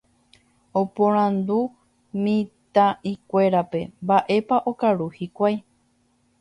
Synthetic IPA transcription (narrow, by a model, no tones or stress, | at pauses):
opõɾ̃ãnd̪u | mĩt̪ãʔikʷe̞ɾape̞̰mbaʔe̞paʔo̞kaɾuhikʷaj